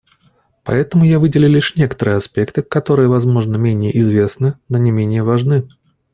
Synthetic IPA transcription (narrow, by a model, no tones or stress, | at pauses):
pa̰ɛt̪əmʊjavɨd͡zʲɪlʲilʲiʂnʲekə̥t̪əɾɨjɛaspʲɛkt̪ɨkat̪ɔɾɨjəvazmɔʐnəmʲenʲɪjəʔizvʲesnɨnɐnʲɛmʲenʲɪjəvaʐnɨ